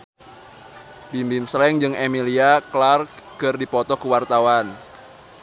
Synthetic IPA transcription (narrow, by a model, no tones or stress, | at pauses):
bimbimslɛŋd͡ʒɨŋemiliaklarkɨrdipɔt̪ɔkuwart̪awan